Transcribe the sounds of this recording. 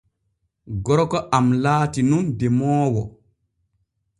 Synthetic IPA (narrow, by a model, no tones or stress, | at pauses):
ɡɔɾkɔʔamlaːtinundɛmɔːwɔ